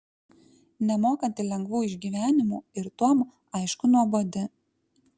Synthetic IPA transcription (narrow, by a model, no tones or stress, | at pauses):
nʲɛmoːkɐnʲt̪ʲɪlʲɛŋɡʋuːɪʒʲɡʲiːʋʲæːnʲɪmuːɪɾt̪uɔm | ɐɪʃkʊnuɔbod̪ʲɪ